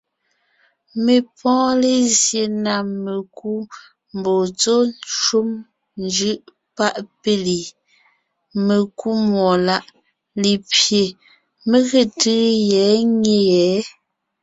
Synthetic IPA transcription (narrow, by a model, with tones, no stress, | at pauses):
me˨pʰɔ̃ː˦le˦zje˨na˨me˨ku˦ | m˨bo˨t͡so˦ʃu˦m | nd͡ʒɯ˦ʔ | pa˦ʔpe˦li˨ | me˨ku˦mɔ˨la˦˨ʔ | le˨pje˨ | me˦ɣe˨tɯ˦jɛ˨˦ŋe˦jɛ˨˦